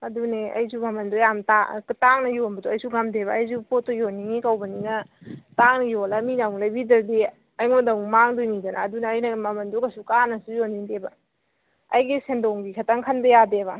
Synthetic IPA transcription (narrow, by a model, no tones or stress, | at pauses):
ɐduneajzumɐmɐndojamtaktaŋnɐjonbɐdoajsuɡamdebɐːjzupotojoniŋikawbɐninɐtaŋnɐjolɐminawŋlɐjbidɐɾdi | ɐjŋodawmaŋdojnidɐnɐ̰ːdunɐːjnɐmɐmɐndokɐsukanɐsujoniŋdebɐ | ɐjɡisendoŋɡikʰɐtɐŋkʰɐnbɐjadeβɐ